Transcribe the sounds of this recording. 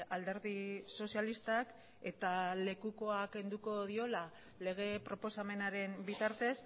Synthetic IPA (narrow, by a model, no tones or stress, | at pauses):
ald̪e̞ɾðiso̞sjalist̪ak | e̞t̪ale̞kuko̞ake̞nd̪uko̞ð̞io̞la | le̞ɣ̞e̞pɾo̞po̞same̞naɾe̞mbit̪aɾt̪e̞s